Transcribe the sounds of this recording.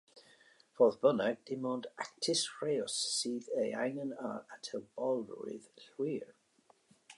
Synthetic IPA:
fɔðbənəɡ̚d̥ɪmɔndak̚tʰɪsfɹeɔsːiːðəa̰jnənaɹatʰɛlˠb̥ɔlˠrṵɪ̰ðɬwiːɹ

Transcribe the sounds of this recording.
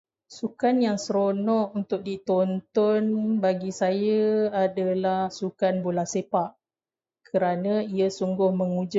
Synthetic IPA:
sukanjaŋsəɾonɔ̃ʔunt̪ʊk̚dit̪ɔnt̪ɔnbaɡisajaadalahsukanbolahsepaʔ | kʰəɾanãiasuŋɡʊhməŋud͡ʒʊ

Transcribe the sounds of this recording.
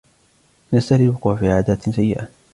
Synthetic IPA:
nast̪alɪbkafiːʕaːd̪aːt̪sajːɪʔa

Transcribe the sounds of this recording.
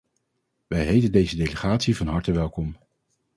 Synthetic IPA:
ʋɛjɦejtəndejzədejləχaːtsivɑnɦɑɹtəʋɛlˠkɔm

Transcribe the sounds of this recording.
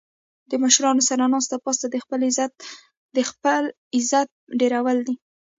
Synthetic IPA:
d̪əməʃɾɑnosaɾanɑst̪apɑst̪ad̪əxpəlɪzt̪ | d̪əxpəl | ɪzat̪̚ɖeɾawəld̪i

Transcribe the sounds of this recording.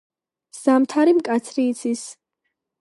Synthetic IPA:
z̥amt̪ʰaɾimkʼat̪sʰɾiːt̪sʰis

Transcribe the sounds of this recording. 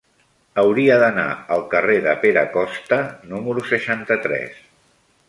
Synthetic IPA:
əwɾiəðəna̰əlˠkəreðəpeɾəkɔst̪ənuməɾusəʃant̪ət̪ɾɛ̰s

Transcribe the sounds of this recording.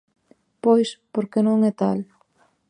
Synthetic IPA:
pojspoɾkenõŋɛt̪al

